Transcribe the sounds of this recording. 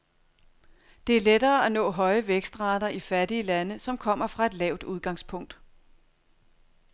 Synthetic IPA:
d̥e̝æɐled̥ɐːænɔ̰̽ːɦɒ̽ɪəʋeɡ̥sd̥ʁɑ̈ːd̥ɐʔifæɐdiəlænəsɒ̽mkʰɒ̽m̰ɐfʁɑ̈e̝d̥lɛʊd̥uð̞ˠɡ̥ɑ̈ŋspʰɔ̽ŋ̰d̥

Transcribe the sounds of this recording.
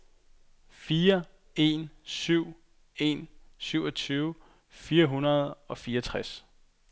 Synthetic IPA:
fiːɐ | e̝nsyʊ̰ | e̝nsyʊɒ̽t͡sʰyːʊ | fiːɐɦunɐð̞̩ˠɒ̽fiːɐt͡sʰʁas

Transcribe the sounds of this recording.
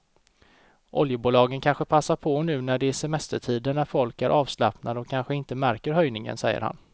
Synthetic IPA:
ʔɔ̰ljəbuːlɑːɡənkʰanɧəpʰasːaɾpʰɔnʉ̟ːnæɖɛːʂɛmɛst̪əʈʰiːd̪ənːæɾfɔlkæɾʔɑːvsla̰pnad̪əɔkʰːanɧəɪnt̪əmæɾkəɾɦœjnɪŋə̰nsɛjːə̰ɾha̰n

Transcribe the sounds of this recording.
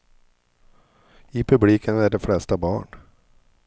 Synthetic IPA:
ɪpʰɵbliːkʰənæɖɛflɛst̪abɑ̰ːɳ

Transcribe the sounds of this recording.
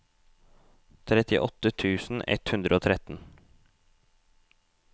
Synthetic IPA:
t̪ʰɾɛt̪ɪʔɔt̪ət̪ʰʉːsn̩ɛ̰t̪hʉnd̪ɾəoːt̪ʰɾɛt̪n̩

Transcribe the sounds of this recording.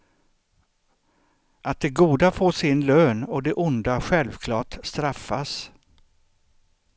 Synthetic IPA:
ʔat̪̚d̪ɛɡuːd̪afoːʂɪnløːnɔd̪ɛʔʊnd̪aɧɛlvkʰlɑːʈst̪ɾafːas

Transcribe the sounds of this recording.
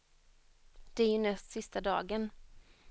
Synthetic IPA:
d̪̥ɛæɾjɵnɛst̪sɪst̪ad̪ɑ̰ːɡən

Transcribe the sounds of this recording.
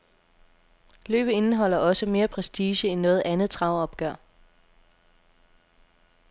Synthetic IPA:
lø̰ːb̥ð̩ˠe̝nəɦɒ̽l̰ɐʔɒ̽səme̝ːɐpʰʁɛsd̥iːɕəenːɔ̽ːð̩ˠʔænð̩ˠt͡sʰʁɑ̈ʊɒ̽b̥ɡ̥ɶɐ̰

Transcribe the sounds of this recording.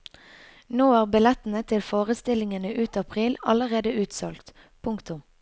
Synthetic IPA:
noːɑːʁbɪlɛt̪n̩ət̪ʰɪlfoːʁəst̪ɪlɪŋənəʔʉːt̪ɑpʰʁiːlɑləʁeːd̪əʉːt̪sɔlkt̪ | pʰʊŋkt̪ʊm

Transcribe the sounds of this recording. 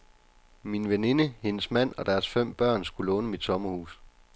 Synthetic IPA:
minʋene̝nəhe̝nəsmæn̰ɒ̽d̥æɐsfem̰b̥ɶɐ̰nsɡ̥ulɔːnəmid̥sɒ̽mɐhṵːs

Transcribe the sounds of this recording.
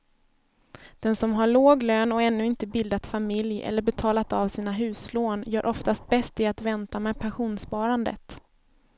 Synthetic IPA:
d̪̥ɛnsɔmɦaɭoːɡløːnɔɛnːɵɪnt̪əbɪld̪at̪famɪljɛ̰lːəɾbɛt̪ʰɑːlat̪avsiːnaɦʉ̟ːsloːnjœːɾʔɔft̪ast̪̚bɛst̪ɪat̪vɛnt̪amɛpʰanɧuːnspɑːɾand̪ə̰t̪

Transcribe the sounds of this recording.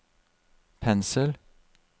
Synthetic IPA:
pʰɛnsəl

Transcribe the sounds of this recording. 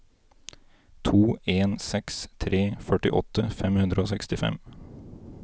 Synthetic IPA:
t̪ʰuːeːnsɛkst̪ʰɾeːfœʈɪʔɔt̪ʰəfɛmhʉnd̪ɾəoːsɛkst̪ɪfɛ̰m

